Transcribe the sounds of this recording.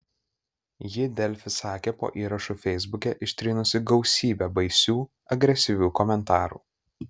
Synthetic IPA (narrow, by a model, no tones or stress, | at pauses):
jɪd̪ʲɛlʲfʲɪsɑːkʲɛːpo̰ːʔiːɾɐʃuːfʲɛɪzbʊkʲɛʔɪʃʲt̪ʲɾʲɪnʊsʲɪɡɒʊsʲiːbʲɛbɐɪsʲuː | ɐɡɾʲɛsʲɪʋʲuːkɔmʲɛnt̪ɑːɾṵː